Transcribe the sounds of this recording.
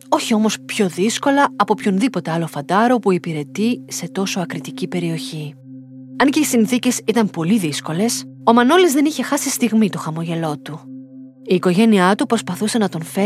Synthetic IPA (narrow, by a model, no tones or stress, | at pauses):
o̞çio̞mo̞spço̞ðisko̞lɐɐpo̞pço̞nðipo̞t̪e̞ɐlo̞fɐd̪ɐɾo̞puipiɾe̞t̪ise̞t̪o̞so̞ɐkɾit̪icipe̞ɾio̞çi | ɐnce̞isinθice̞sit̪ɐmpo̞liðisko̞le̞so̞mɐno̞lezðe̞niçe̞xɐsist̪iɣmit̪o̞xɐmo̞ʝe̞lo̞t̪u | iːko̞ʝe̞niɐt̪upɾo̞spɐθuse̞nɐt̪o̞nfe